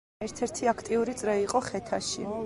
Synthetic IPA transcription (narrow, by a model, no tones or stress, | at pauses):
ɛɾt̪ʰɛɾt̪ʰiakʰt̪ʼiuɾit̪sʼɾɛiqʼɔχɛt̪ʰaʃḭ